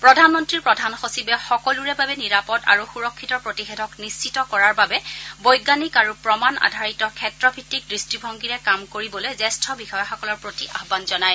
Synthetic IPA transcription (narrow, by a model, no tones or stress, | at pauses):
pɹɔdʱanmɔntɹiɹpɹɔdʱanxosibɛxɔkɔluɹɛbabɛniɹapɔda̰ɹuxuɹɔkʰːitɔpɹotixɛdʱɔknisitɔkɔɹaɹbabɛbɔjɡanikaɹupɹɔmana̰dʱaɹitɔkʰɛtɹɔbʱitːik̚dɹistibʱɔŋɡiɹɛkamkoɹibɔlojzɛstʰɔbixɔjɔxɔkɔlɔɹpɹotiʔa̰ɦbanzɔnaj